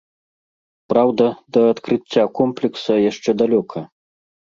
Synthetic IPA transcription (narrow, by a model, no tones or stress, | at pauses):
pɾawd̪ɐd̪ɐːt̪kɾɨt͡sʲːakɔmplʲiksɐjaʂt͡ʂɛd̪alʲɔkʰɐ